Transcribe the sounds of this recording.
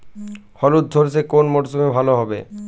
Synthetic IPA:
hɔlud̪̚d̪ʱoɾsʰekonmoʈsomebʱaloɦɔbḛ

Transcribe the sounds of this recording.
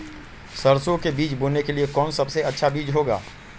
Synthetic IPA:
sɐɾsõkebiːt͡ʃboːnːekeliekɔːnsɐbseɐtːʃʰabiːd͡ʒɦoːɡa̰ː

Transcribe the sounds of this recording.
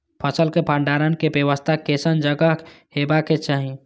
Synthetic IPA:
pʰəsəlkepəɳɖaɾənkebjewəst̪ʰakesənd͡ʒəɡəɦɦebaket͡ʃaɦi

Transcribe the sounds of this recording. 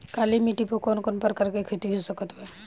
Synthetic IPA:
kalimiʈipokonkonpəɾkəɾkekʰet̪iɦosəkət̪be

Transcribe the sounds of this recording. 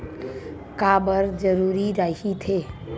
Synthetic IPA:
kabəɾd͡ʒəɾuːɾiɾaiit̪ʰe

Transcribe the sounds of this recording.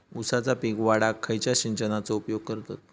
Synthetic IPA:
usat͡sapiɡʋaɽakʰːəjt͡ɕjaɕiɲt͡ɕənat͡sɔupjoɡ̚kəɾt̪at̪̚

